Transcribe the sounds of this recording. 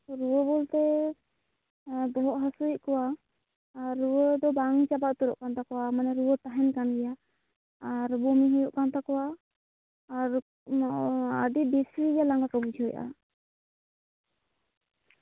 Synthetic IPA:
ɾuwəbɔlt̪ɛ | bɔɦɔʔ̪̚ɦasuiʔkɔwaː | ɾːuwəd̪ɔbaŋit͡ʃabaʔt̪uɾɔ̰ʔkant̪akɔwamanɛɾuwət̪aɦɛnkanɡɛja | aɾbɔmiɦəjɔʔkant̪akɔwaː | ɾ | a̰ɖibisijalaŋɡakəbud͡ʒʰɔjʔa̰

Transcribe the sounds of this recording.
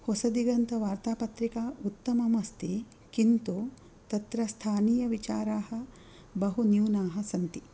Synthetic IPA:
hosɐd̪iɡɐnt̪ɐʋaːɾt̪aːpɐt̪ɾikaːut̪ːɐmɐmɐst̪i | kint̪u | t̪ɐt̪ɾɐst̪ʰaːniːjɐʋit͡ʃaːɾaːhɐ̆ | bɐɦunjuːnaːɦɐ̆sɐnt̪i

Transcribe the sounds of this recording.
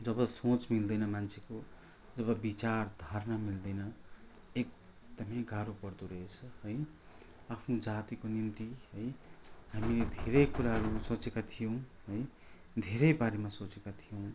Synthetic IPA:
d͡zʌbʌsot͡smild̪ʌjnʌmant͡sʰeko | d͡zʌbʌbit͡sard̪ʱʌrnʌmild̪ʌjnʌ | ek̚ | d̪̥ʌmʌjɡʱaɾopʌrd̪uɾʌɦet͡sʰʌɦʌj | apʰnud͡zat̪ikonimt̪iɦʌjhamiled̪ʱeɾʌjkuɾaɦʌɾusot͡sekat̪ʰijõw̃ɦʌj | d̪ʱeɾʌjbaɾemasot͡sekat̪ʰijõw̃

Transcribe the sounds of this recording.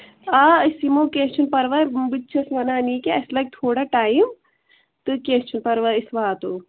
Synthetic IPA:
aisimokeːst͡ʃʰunpɐɾʋɐbɨt͡ʃʰɐsʋɐnaːniːkeɐslɐk̚t̪ʰoːɽaʈaːim | t̪ɨkeːst͡ʃʰunpɐɾʋɐisʋaːt̪oː

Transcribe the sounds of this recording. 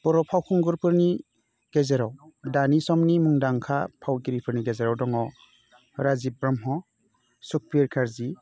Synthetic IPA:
b̥ɔɾɔpʰawkʰɔŋɡuɾpʰɯɾni | ɡ̥ezeɾɔwdanisɔmnimuŋdaŋkʰapʰawɡiɾipʰɯɾniɡezeɾɔwdɔŋɔ | ɾazibɾɔmɦɔ | suk̚piɾkʰaɾzi

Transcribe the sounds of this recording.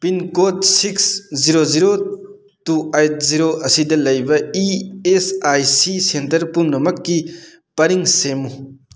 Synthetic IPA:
pinkotsiksziɾoziɾo | tuajt̚ziɾoɐsidɐlɐjbɐiesajsisentɐɾpumnɐmɐkːi | pɐɾiŋsemu

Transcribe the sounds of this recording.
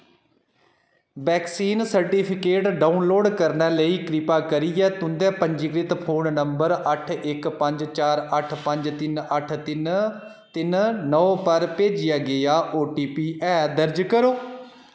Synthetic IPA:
bɛːksiːnsəɾʈiːpʰɪkeːʈɖaːunloːɖkəɾnɛːləiːkɾɪpaːkəɾiːɛːt̪ʊnd̪ɛːpəɲd͡ʒikɾɪt̪pʰoːnnəmbəɾəʈʰɪkpə̃ɲd͡ʒt͡ʃaːɾəʈʰpə̃ɲd͡ʒt̪ɪnəʈʰt̪ɪn | t̪ɪnnɔːpəɾpeːd͡ʒɪjaːɡɪaːʔoːʈiːpiːʔɛːd̪əɾd͡ʒkəɾoː

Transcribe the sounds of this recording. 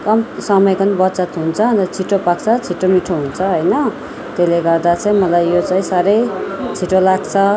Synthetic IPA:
kʌmsʌmʌjkʌnibʌt̪t͡sʌt̪ɦunt͡sʰʌnt̪ʌt͡sʰiʈopakt͡sʰʌt͡sʰiʈomiʈʰoɦunt͡sʰʌɦojnʌ | t̪eleɡʌrd̪at͡sʌĩmʌlajːjot͡saĩsaɾʌjt͡sʰiʈolaɡt͡sʰʌ

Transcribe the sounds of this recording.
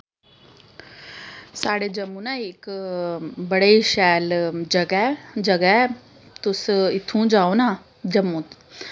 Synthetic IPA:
saːɽed͡ʒɐmːũːnaik | bɐɽeʃɛːld͡ʒɐɡd͡ʒɐɡɛ | t̪ʊsɪt̪ʰːũːd͡ʒaːonaː | d͡ʒɐmũːt̪

